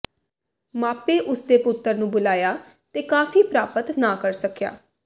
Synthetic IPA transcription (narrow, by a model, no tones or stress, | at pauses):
maːpeːʔʊsd̪eːpʊt̪ːəɾnũːbʊlaːjaː | t̪eːkaːfiːpɾaːpət̪naːkəɾsəkja̰ː